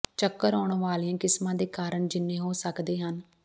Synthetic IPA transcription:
t͡ʃəkːəɾɔːɳʋaːliãːkɪsmãːd̪eːkaːɾəɳd͡ʒɪnːẽːɦoːsəkd̪eːɦən

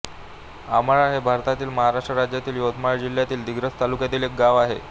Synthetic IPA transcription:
a̰məɭaɦebʱaɾt̪at̪iːlməɦaɾaʂʈɾəɾad͡ʑjat̪iːljot̪ʰmaɭd͡ʑil̤jat̪iːld̪iɡɾət͡st̪alukjat̪iːlek̚ɡaʋaɦe

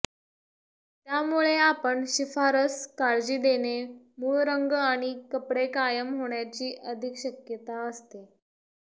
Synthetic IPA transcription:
t̪jamuɭeapəɳɕifaɾəskaɾd͡ʑiːd̪ene | muɭɾəŋɡaɽ̃ikəpɽekajəmɦoɳjat͡ɕiːʔəd̪ʱikɕəkjət̪aəst̪e

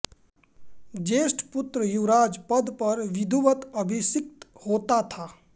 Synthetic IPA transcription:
d͡ʒeːsʈpʊt̪ɾəjuɾaːd͡ʒpəd̪pəɾʋɪd̪ʱuʋət̪əbʱisɪk̚t̪hoːt̪at̪ʰaː

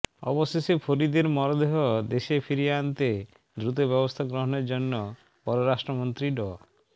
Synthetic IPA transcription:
ɔ̰bɔsesepʰoɾid̪eɾmɔɾɔd̪eɦɔd̪eʃepʰiɾiant̪e | d̪ɾut̪̬obɔbɔst̪ʰaɡɾɔɦɔneɾd͡ʒonːɔ | pɔɾɔɾasʈɾɔmɔnt̪ɾiɖɔ

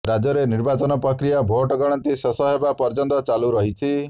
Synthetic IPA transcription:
ɾad͡ʒɔɾeniɾbat͡ʃɔnɔpɾɔkɾijabʱoʈɔɡɔɽ̃ɔnt̪isɔsɔɦebapɔɾd͡ʒɔnt̪ɔt͡ʃaluɾɔɦit͡ʃʰi

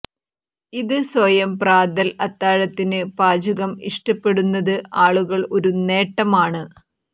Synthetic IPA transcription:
iðɨswɐjɐmpraːd̪ɐlɐt̪ːaːɻɐt̪ːinɨpaːd͡ʑuɣɐmiʂʈɐpːe̞ɽunːɐðɨaːɭuɣɐɭo̞ɾune̞ːʈːɐmaːɳɨ

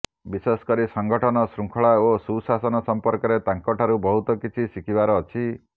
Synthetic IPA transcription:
biseskɔɾisɔŋɡʱɔʈʰɔnɔsɾuŋkʰɔɭaosusasɔnɔsɔmpɔɾkɔɾet̪aŋkɔʈʰaɾubɔɦut̪ɔkit͡ʃʰisikʰibaɾɔːt͡ʃʰi

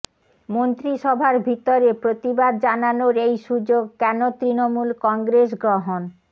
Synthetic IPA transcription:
mont̪ɾiʃɔbʱaɾbʱit̪oɾepɾot̪ibad̪̚d͡ʑananoɾejʃud͡ʑoɡ̚kɛnot̪ɾinomulkɔŋɡɾes̬ɡɾoɦon

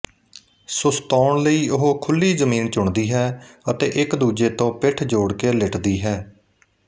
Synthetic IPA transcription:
sʊst̪ɔːɳləiːʊɦoːkʰʊlːiːzəmiːnt͡ʃʊɳd̪iːɦɛːət̪eːʔɪkd̪uːd͡ʒeːt̪õːpɪʈʰd͡ʒoːɽkeːlɪʈd̪iːɦɛː

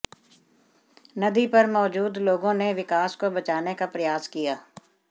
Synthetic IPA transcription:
nɐd̪ipɐɾmɔːd͡ʒuːd̪loːɡõneʋɪkaːskobɐt͡ʃaːnekapɾɐjaːzkijaː

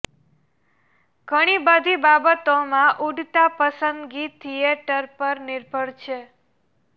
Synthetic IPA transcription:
ɡ̥ʱəɽ̃ibəd̪ʱibabət̪omãʔuɖt̪apəsənd̪ɡit̪ʰieʈəɾpəɾnɪɾbʱəɭt͡ʃʰe

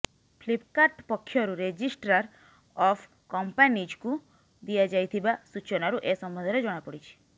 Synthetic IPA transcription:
pʰlipkaʈpɔkʰːjɔɾuɾed͡ʒisʈɾaɾ | ɔpʰ | kɔmpanid͡ʒku | d̪ijad͡ʒajt̪ʰibasut͡ʃɔnaɾuʔesɔmbɔnd̪ʱaɾed͡ʒɔɽ̃apɔɽit͡ʃʰi̥

